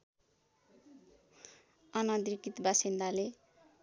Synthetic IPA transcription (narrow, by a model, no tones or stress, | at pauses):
ʌnʌd̪ɾikit̪basind̪ale